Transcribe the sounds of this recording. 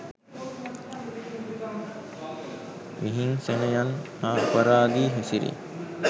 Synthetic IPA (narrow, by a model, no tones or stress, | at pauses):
miɦiŋsenəjan | aːpəɾaːd̪iːɦesiɾḭ